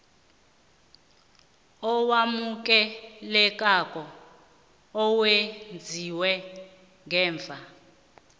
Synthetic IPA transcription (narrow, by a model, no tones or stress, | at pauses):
ɔwamuk̬ʼɛlɛkʼakʼɔ | ɔwend͡zʱiwɛ | ŋɡɛːɱvʱa